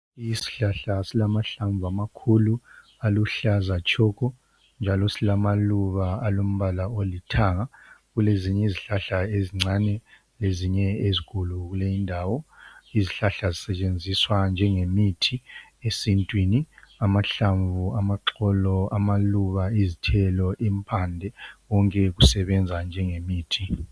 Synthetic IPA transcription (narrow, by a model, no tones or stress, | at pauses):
isi̥ɬaɬasilamaɬaɱvʱuamakʰulu | aluɬazat͡ʃʼʰɔkʰɔ | nd͡ʒʱalɔsilamaluβaːlom̩βalaolitʰaŋaɣuleziɲɛiziɬaɬaeziŋ͡ǀanɛ | leziɲɛezikʰʼuluɣulejindʱawɔiziɬaɬazisɛt͡ʃʼend͡zʱiswand͡ʒʱɛŋemitʰiesintʼwiniamaɬaɱvuamaǁɔlɔamaluβaizitʰɛlɔʔimpʰandʱɛɣɔŋkʼɛɣusɛβɛnd͡zʱand͡ʒʱɛŋemiːtʰi